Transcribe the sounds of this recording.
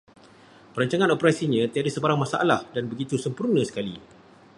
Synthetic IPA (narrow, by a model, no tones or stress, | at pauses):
pəɾaɲt͡ʃaŋãnopəɾasiɲə̃t̪əadasəbaɾaŋmãsaʔalahdanbəɡit̪usəmpurnə̃sə̥kali